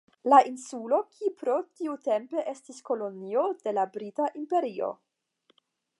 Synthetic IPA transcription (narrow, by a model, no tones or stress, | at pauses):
laʔinsulo̞kʰipɾo̞tiute̞mpe̞ʔe̞stisko̞lo̞nio̞de̞labɾitaʔimpe̞ɾio̞̰